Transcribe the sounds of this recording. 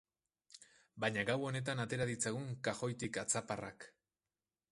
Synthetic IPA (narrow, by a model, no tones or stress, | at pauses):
baɲaɡawo̞ne̞t̪̬anat̪e̞ɾaðit͡saɣuŋkaxo̞jt̪ikat͡saparak